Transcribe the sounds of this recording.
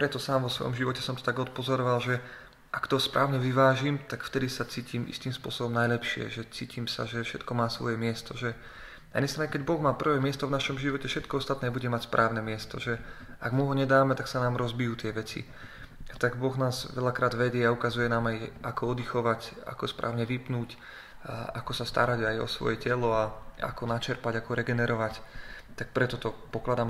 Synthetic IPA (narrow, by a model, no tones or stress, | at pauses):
pɾɛt̪ɔsaːmʋɔsʋɔ̰jɔ̰mʒiʋɔcɛsɔmt̪ɔ̥t̪aɡɔt̪̚pɔzɔɾɔʋalʒɛ | ʔakt̪ɔɦɔspɾʔaːʊɲɛʋiʋaːʒimt̪akft̪ɛd̪isat͡siːciːmḭst̪iːmspʊɔ̰sɔbɔmnajlɛpʃɪɛ̰ʒɛt͡siːcʰiːmsa̰ʒɛfʃɛt̪kɔmaːsʋɔ̰jɛmɪɛst̪ɔʒɛ | na̰jɛnɲɛst̪ɾaːɲɛkɛɟbɔɣmaːpr̩ʋɛːmɪɛst̪ɔvnaʃɔmʒiʋɔcɛfʃɛt̪̚kɔɔst̪at̪nɛːbuɟɛmacspɾʔaːʊnɛmɪɛst̪ɔʒɛaɡmuɦɔɲɛd̪aːmɛt̪aksanaːmɾɔzbijuːt̪ɪɛʋɛt͡sḭ | at̪aɡbɔɣnaːzʋɛlakɾaːd̪ʋɛɟɪɛaukazujɛnaːmajʔakɔɔd̪ixɔʋaca̰kɔspɾʔa̰ːʊɲɛʋipnuːc | akɔsast̪a̰ɾaɟajɔ̰sʋɔ̰jɛcɛlɔaa̰kɔnat͡ʃɛɾpaɟakɔɾɛɡɛnɛɾɔʋact̪ak̚pɾɛt̪ɔt̪ɔpɔklad̪aːm